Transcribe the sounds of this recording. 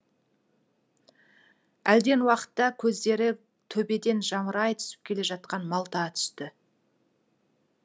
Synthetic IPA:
æld̪e̞nwɑqə̥t̪ːɑkʲʰɵzd̪e̞ɾɪ | t̪ʰɵbe̞d̪e̞nʒɑɴəɾɑjt̪ʰʏ̥sɪ̥p̚kʲʰe̞le̞ʒɑt̪qɑnmɑlˠt̪ɑt̪ʰʏ̥st̪ɪ

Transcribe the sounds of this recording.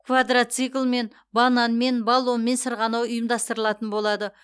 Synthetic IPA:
kʰvad̪rat̪sɨjklˠme̞n | bɑnɑnme̞nbɑlˠːonme̞nsəɾʁɑnɑwʊjəmd̪ɑst̪əɾəlˠɑt̪ənbo̞lˠɑd̪ə

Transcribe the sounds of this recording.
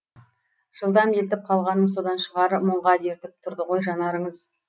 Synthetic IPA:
ʒ̥əlˠd̪ɑmelt̪̬ɪp̚qʰɑlˠʁɑnːəɴso̞d̪ɑnʃəʁɑɾəmʊɴʁɑd̪e̞ɾt̪ɪp̚t̪ʰʊɾd̪əʁo̞jʒɑnɑɾəɴəz

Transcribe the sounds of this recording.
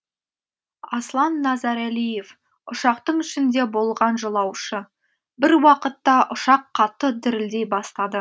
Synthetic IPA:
ɑslˠɑnːɑzɑɾælijef | ʊʃɑqt̪əɴʏʃɪnd̪e̞bo̞lˠʁɑnʒəlˠɑwʃə | bɪɾwɑqət̪ːɑʔʊʃɑqʰːɑt̪ːəd̪ɪɾɪld̪e̞jbɑst̪ɑd̪ə

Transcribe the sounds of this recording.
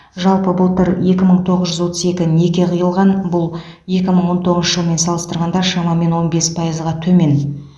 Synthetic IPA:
ʒɑlˠpəbʊlˠt̪əɾe̞kʲɪməɴt̪ʰo̞ʁəzʒʏzwo̞t̪ə̥ze̞kʲɪne̞kʲe̞qʰəjəlˠʁɑnbʊlˠ | je̞kʲɪməɴwo̞nt̪ʰo̞ʁənʃəʒəlˠəme̞nsɑlˠəst̪əɾʁɑnd̪ɑʃɑmɑme̞nwo̞nbe̞spʰɑjəzəʁɑt̪ʰɵme̞n

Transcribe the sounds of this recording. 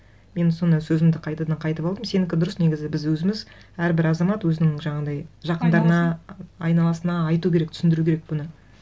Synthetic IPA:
me̞nso̞nd̪ɑjsɵzɪmd̪ɪqʰɑjt̪ɑd̪ɑɴqʰɑjt̪əpɑlˠd̪əmse̞nɪŋkʲɪd̪ʊɾəsneɡʲɪzɪbɪzwɵzɪmɪz | æɾbɪɾɑzɑmɑt̪wɵzɪnɪŋʒɑɴɑd̪ɑjʒɑqənd̪ɑɾənɑːjnɑlˠɑsənɑːjt̪ukʲee̞k̚t̪ʰsɪnd̪ɪɾukʲeɾek̚bʊnə

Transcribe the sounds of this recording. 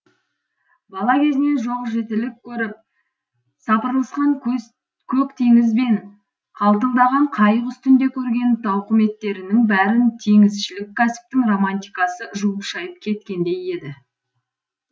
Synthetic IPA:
bɑlˠɑkʲʰe̞zɪne̞nʒo̞ʁʒe̞t̪ɪlɪkʲʰːɵɾɪp̚ | sɑpəɾlˠəsqɑŋ | kʲʰɵkt̪ʰe̞ŋɪzbe̞ŋ | qʰɑlˠt̪̬əlˠd̪ɑʁɑɴqʰɑjəqʏst̪ɪnd̪e̞kʲʰɵɾɡʲe̞nt̪ɑwqəme̞t̪ːe̞ɾɪnɪŋbæɾɪnt̪ʰe̞ŋɪzʃɪlɪkʲʰːæsɪ̥p̚t̪ɪŋro̞manʲt̪ijkɑsəʒuəpʃɑjəp̚kʲʰe̞t̪̚kʲe̞nd̪e̞je̞d̪ɪ

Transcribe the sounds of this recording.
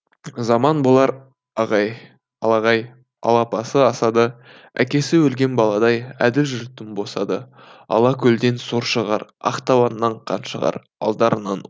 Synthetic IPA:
zɑmɑnbolˠɑɾ | ɑʁɑj | ɑlˠɑʁɑj | ɑ̰lˠɑpɑsəɑsɑd̪ə | æ̰kʲe̞sɪwɵlɡʲe̞nbɑlˠɑd̪ɑjæ̰d̪ɪlʒʏɾt̪ːɪmbo̞sɑd̪ə | ɑ̰lˠɑkʲʰɵld̪e̞nsoɾʃəʁɑɾɑ̰qt̪ɑwɑnːɑɴqʰɑ̰nʃəʁɑ̰ɾ | ɑ̰lˠd̪ɑɾənɑn

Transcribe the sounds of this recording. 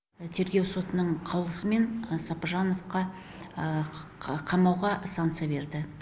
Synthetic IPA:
t̪ʰe̞ɾɡʲe̞wso̞t̪ənəɴqʰɑwlˠəsəme̞nsɑpaʒano̞fqɑ | qʰɑmɑwʁɑʔsaŋt̪sɨjabe̞ɾd̪ɪ

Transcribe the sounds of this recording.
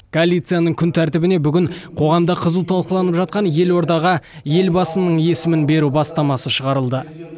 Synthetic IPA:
kʰoalʲːijt̪sɨjanəɴkʲʰʏnt̪ʰæɾt̪ɪbɪne̞bʏɡʲɪɴqʰo̞ʁɑmd̪ɑqʰəzut̪ʰɑlˠqəlˠɑnəpʒɑt̪̚qɑnje̞lwo̞ɾd̪ɑʁə | je̞lbɑsənəɴje̞sɪmɪnbe̞ɾubɑst̪ɑmɑsəʃəʁɑɾəlˠd̪ə

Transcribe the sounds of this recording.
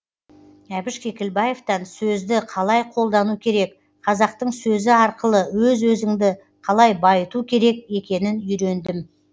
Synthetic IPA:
æbɪʃkʲʰe̞kʲɪlbɑjeft̪ɑnsɵzd̪ɪqʰɑlˠɑjqʰo̞lˠd̪ɑnukʲʰe̞ɾe̞k | qʰɑzɑq̚t̪əɴsɵzɪɑɾqəlˠəwɵzwɵzɪŋd̪ɪ | qʰɑlˠɑjbɑjət̪ukʲʰe̞ɾe̞ke̞kʲe̞nɪnʏjɾe̞nd̪ɪm

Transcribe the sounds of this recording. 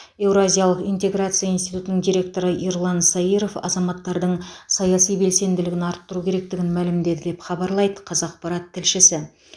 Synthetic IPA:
e̞wɾoazʲijɑlˠəqijnt̪e̞ɡɾat̪sɨijaijnst̪ijt̪ut̪ənəɴd̪iɾʲe̞k̚t̪o̞ɾəʔiɾlˠɑnsɑiɾo̞fɑ̰zɑmɑt̪ːɑɾd̪əɴsɑjɑsijbe̞lse̞nd̪ɪlɪɡʲɪnɑɾt̪ːʊɾukʲʰe̞ɾe̞k̚t̪ɪɡʲɪnmælɪmd̪e̞d̪ɪd̪e̞pχɑbɑɾlˠɑjd̪əqʰɑzɑq̚pɑɾɑt̪ʰːɪlʃɪsɪ

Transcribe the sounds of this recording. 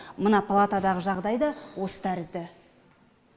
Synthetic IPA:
mənɑpʰalˠat̪ad̪ɑʁəʒɑʁd̪ɑjd̪ɑwo̞sə̥t̪ʰæɾɪzd̪ɪ

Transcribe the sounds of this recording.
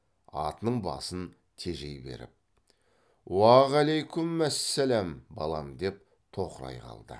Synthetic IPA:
ɑ̰t̪ənəɴbɑ̰sən | t̪ʰe̞ʒe̞jbe̞̰ɾɪ̰p̚ | wɑʁælejkʲʊmːæsːælæmbɑlˠɑmd̪e̞p̚ | t̪ʰo̞qəɾɑ̰jqʰɑ̰lˠd̪ə̰

